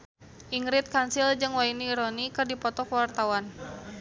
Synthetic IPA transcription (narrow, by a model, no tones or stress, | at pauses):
ʔiŋɾɪt̪̚kansild͡ʒɨŋwainiːɾɔnikɨrdipɔt̪ɔkwart̪awan